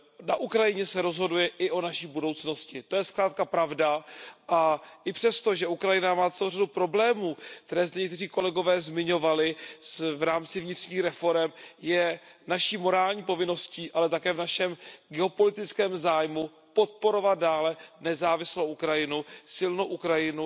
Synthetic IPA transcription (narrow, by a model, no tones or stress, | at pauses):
naʔukɾajɪɲɛsɛɾo̞zɦo̞dujɛʔɪʔo̞naʃiːbudo̞wt͡sno̞scɪt̪o̞jɛskɾaːt̪̚kapɾavdaʔaʔɪpr̥ɛst̪o̞ʒɛʔukɾajɪnamaːtt͡sɛlowradupɾo̞blɛːmuːk̚t̪ɛɾɛːzdɛɲɛkt̪ɛriːko̞lɛɡo̞vɛːzmɪɲo̞valɪvɾaːmt͡sɪvɲɪt̪r̥ɲiːxɾɛfo̞ɾɛmjɛnaʃiːmo̞ɾaːlɲiːpo̞vɪno̞sciːʔalɛt̪akɛːvnaʃɛmɡɛo̞po̞lɪt̪ɪt͡skɛːmzaːjmu | po̞t̪̚po̞ɾovat̪̚daːlɛnɛzaːvɪslowʔukɾajɪnusɪlnowʔukɾajɪnu